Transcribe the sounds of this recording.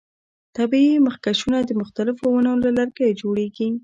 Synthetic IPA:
t̪abiiməxkaʃunad̪əmʊxt̪alɪfowanolalaɾkaed͡ʒoɽeɡi

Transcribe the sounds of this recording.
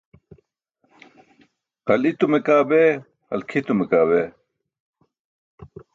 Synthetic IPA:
qɐlit̪umekaːbeː | ɐ̰lkʰit̪umekaːbeː

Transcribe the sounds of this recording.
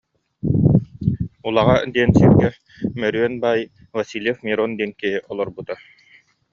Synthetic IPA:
ulˠaʁad̪iɛnsiɾɡɛ | mœɾyœnbaj | vasilʲɛfmiɾɔnd̪iːnkiɦiʔɔlˠɔɾbut̪a

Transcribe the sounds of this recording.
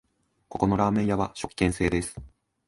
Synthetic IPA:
ko̞ko̞no̞ɾaːmẽ̞ɰ̃jaβaɕo̞kːẽ̞ɰ̃se̞ːd̪e̞sɨ̥

